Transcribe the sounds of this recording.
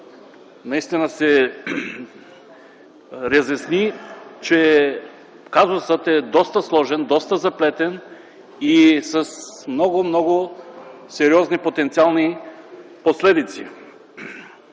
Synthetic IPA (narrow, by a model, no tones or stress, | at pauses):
naist̪inasɛ | ɾɛzɛsnit͡ʃɛ | kazosət̪ɛd̪ɔst̪ɐslˠɔʒɛnd̪ɔst̪ɐzaplɛt̪ɛn | isɐsmnɔɡʊmnɔɡʊ | sɛɾiɔznipot̪ɛnt̪sialˠni | poslɛd̪it̪sḭ